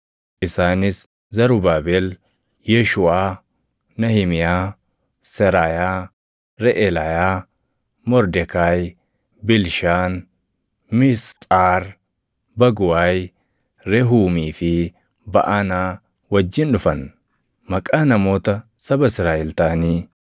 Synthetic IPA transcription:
ʔɪsaːnɪs | zɐɾʊbaːbɛl | jɛʃʊaː | nɐhɪmɪjaː | sɛɾaːjaː | ɾɛʔɛlɐjaː | mɔɾd̪ɛkaːj | bɪlʃaːn | mɪst̪ʼaːɾ | bɐɡʊwaːj | ɾɛɦuːmiːfɪ | bɐ̰ʔɐnaː | wɐd͡ʒːɪnᶑʊfɐn | mɐkʼaːnɐmo̞ːt̪ɐ | sɐbɐɪsɾaːʔɛlt̪aːniː

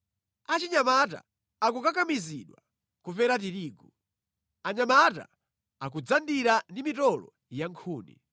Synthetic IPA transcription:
at͡ʃiɲamata̰ː | k̬ukakamiziɗwa̰ | kupɛɾat̬iɾiːɡu | aɲamata̰ | akud͡zandiɾandimitɔlɔ̰ | jaŋkʰuːnḭ

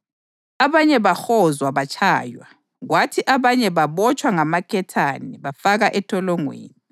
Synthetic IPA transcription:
aβaɲɛβaxɔzwaβat͡ʃʰʼaːjwa | ɣwatʰiʔaβaɲɛβaβɔt͡ʃʼwaŋamakʰɛtʰaniβafaɣaʔɛtʰʼɔlɔŋwḛːni

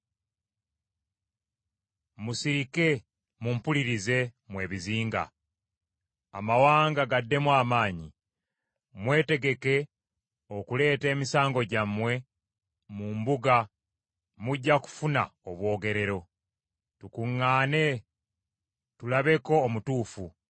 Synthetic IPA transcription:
musiɾike̞ | mumpuliɾize̞mwe̞ːβiziːŋɡa̰ | a̰mawaːŋɡaɡadːe̞mwaːmaːɲi | mwe̞ːte̞ɡe̞ke̞ | o̞kule̞ːte̞ːmisaːŋɡo̞ɟamwe̞ | mumbuɡa | muɟːaku̥funa̰oβwo̞ːɡe̞ɾe̞ɾo̞ | tukuŋːaːne̞ | tulaβe̞ko̞ːmutuːfu

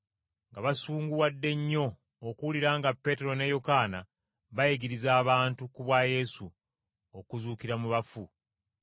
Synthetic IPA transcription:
ŋɡaβasuːŋɡuwadːe̞ɲːo̞ː | kuwuliɾaːŋɡapːe̞ːte̞ɾo̞ne̞jo̞kaːna | βajeɡiɾizaːβaːntukuβwaje̞ːsu | okuzuːkiɾamuβafu

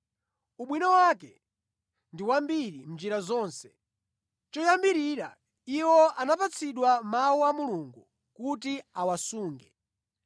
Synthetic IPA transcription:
uɓwinɔwakɛ | ndiwambiɾim̩d͡ʒiɾazɔːnsɛ̥ | t͡ʃɔjambiɾiɾa | iwɔanapat͡sʰiɗwamawuamuluŋɡu | kut̬iawasuːŋɡɛ

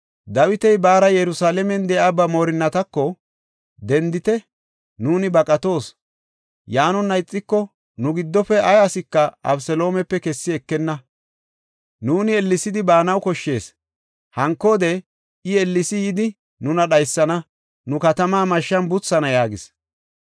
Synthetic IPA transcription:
d̪ɐwɪt̪ɛjbaːɾɐjɛɾʊsaːlɛmɛnd̪ɛʔabɐmo̞ːɾɪnːɐt̪ɐkːɔ | d̪ɛnd̪ɪt̪ɛ | nuːnɪbɐkʼɐt̪o̞ːs | jaːnɔnːɐjɪt͡sʼːɪkːɔ | nʊɡɪd̪ːɔfɛɐjɐsɪkːɐʔɐ̰bsɛlo̞ːmɛpːɛkɛsːɪɛkːɛnːɐ | nuːnɪɛlːɪsɪd̪ɪbaːnɐwkɔʃːe̞ːs | hɐŋkːoːd̪ɛ | ɪɛlːɪsɪjɪd̪ɪ | nʊnɐɗɐjsːɐnɐ | nʊkɐt̪ɐmaːmɐʃːɐnbʊt͡sːɐnɐjaːɡɪs

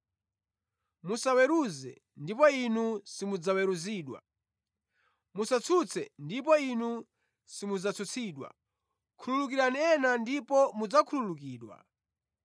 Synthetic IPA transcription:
musawɛɾuzɛ̰ | ndipɔinusimud͡zawɛɾuziːɗwa̰ | musat͡sʰut͡sʰɛndipɔinu | simud͡zat͡sʰut͡sʰiːɗwa̰ | kʰululuk̬iɾaniɛnandipɔmud͡zakʰululukiːɗwa̰

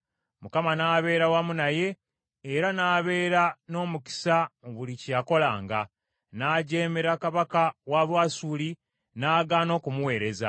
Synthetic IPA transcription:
mukamanaːβe̞ːɾawamunaje̞ː | ɾanaːβe̞ːɾano̞ːmuki̥saoβulicijako̞laːŋɡa | naːɟe̞ːme̞ɾakaβakawaβwaːsuːli | naːɡaːno̞ːkumuwe̞ːɾe̞za̰

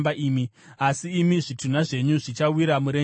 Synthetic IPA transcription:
baʔiːmi | asiːmiʐitun̤aʐe̞ɲuʐit͡ʃawiɾamuɾe

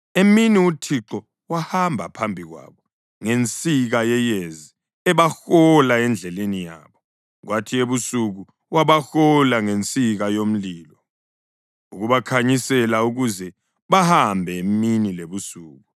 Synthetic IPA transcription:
eminiutʰiǁɔ | wahambʱapʰambʱiɣwa̰ːβɔ | ŋent͡sʼiɣajɛjezi | ɛβaxɔlaɛnd͡ɮʱɛlenija̰ːβɔ | ɣwatʰieβusuɣu | waβaxɔlaŋent͡sʼiɣajom̩liːlɔ | uɣuβakʰaɲisɛlauɣuzɛ | βahambʱɛeminileβusuːɣu

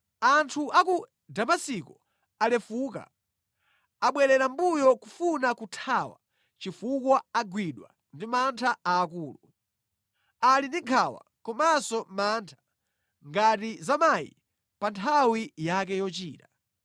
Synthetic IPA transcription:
antʰuʔaku | damasikɔ | alɛfuːka̰ | aɓwɛɾɛɾambujɔkufunakutʰawa̰ | t͡ʃifukwaaɡwiɗwa̰ | ndimantʰaaːkuːlu | alindiŋkʰawa̰kɔmasɔmantʰḁ | ŋɡatizamajḭ | pantʰawijakɛjɔt͡ʃiːta

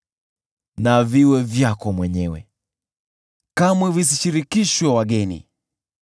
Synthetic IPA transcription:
naviwɛvjakɔmwɛɲɛwɛ̰ | kamwɛvis̬iʃiɾikiʃwɛwaɠɛnḭ

